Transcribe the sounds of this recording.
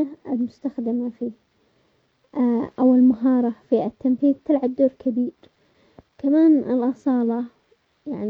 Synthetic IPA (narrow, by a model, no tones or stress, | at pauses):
aɪlmʊst̪axd̪ɪmafiː | ʔawɪlmaɦɑːɾˤɑfiat̪ːamθiːðt̪ɪlʕab̚d̪oːɾkʰabiːɾ | kamaːnɪ̰lʔɑsˤɑːlɑ | jaʕn